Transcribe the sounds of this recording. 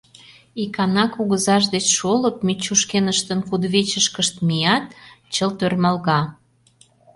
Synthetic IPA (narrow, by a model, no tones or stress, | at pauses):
ikɑnɑkuɣəzɑʃ̬d̪et͡ɕʃoləp̚met͡ɕːuʃkenəʃt̪ənkud̪βet͡ɕəʃkəʃt̪̚mijɑt̪̚ | t͡ɕəlt̪ørmɑlɣɑ